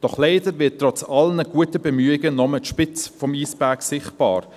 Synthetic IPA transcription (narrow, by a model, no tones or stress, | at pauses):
d̥ɔχleɪdəɾvɪttːrɔt͡sɑlnəɡ̥uətəbemyːɪɡənɔmətʃpɪt͡sfɔmiːsbæksɪχtb̥ɑ̰ːɾ